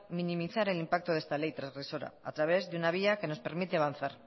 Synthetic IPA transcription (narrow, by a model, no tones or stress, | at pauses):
minĩmiθaɾe̞limpak̚t̪oðest̪ale̞jt̪ɾazɣɾe̞so̞ɾa̰a̰t̪ɾaβ̞e̞zðeunaβ̞iake̞no̞spe̞ɾmit̪eaβan̟θaɾ